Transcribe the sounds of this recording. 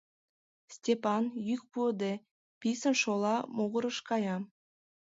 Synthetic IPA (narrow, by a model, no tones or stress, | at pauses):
sʲtʲepɑnjyk̚pud̪e | pʲisə̆nʃolˠɑmoɣə̆ɾɤ̆ʃkɑjɑ